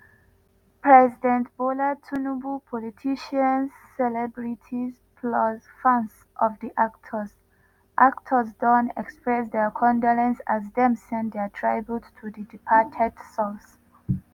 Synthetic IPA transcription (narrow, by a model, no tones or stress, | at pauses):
pʰɹɛzidɛ̃ntb̥olatʰunubupʰɔlitʰiʃãnzːɛlɛbɹitʰiz | pʰlɔzfãns | ʔɔvðiʔak̚tʰəz | ʔaktʰəzdɔ̃nɛ̰kspɹɛsdɛkʰɔ̃ndɔlɛ̃nsazdɛ̃msɛ̃ndɛtʰɹajbjuttʰudidipʰatʰɛdsɔs